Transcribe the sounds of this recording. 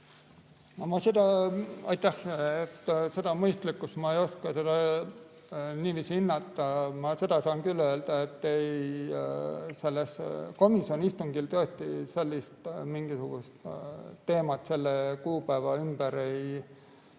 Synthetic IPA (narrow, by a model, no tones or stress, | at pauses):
omɑsed̪ɑɑjt̪ˑæhet̪ːse̞d̪̥ɑmɤjst̪likːˑust̪mɑejo̞skɑse̞d̪̥ɑ | niːviːsʲiinːɑt̪ːɑmɑse̞d̪̥ɑsɑːŋkylːø̞ːld̪̥ɑet̪ːej | se̞lːesko̞misio̞nist̪uŋɡilt̪ɤest̪ise̞lʲːist̪miŋɡ̥isuɡ̥ust̪ːe̞ːmɑt̪se̞lːekuːpæːvɑymb̥æɾe̞j